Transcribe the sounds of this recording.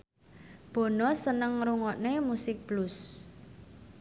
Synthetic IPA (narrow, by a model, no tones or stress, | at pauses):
b̥ɔ̤nɔsənəŋɾuŋɔʔnemusɪk̚b̥lus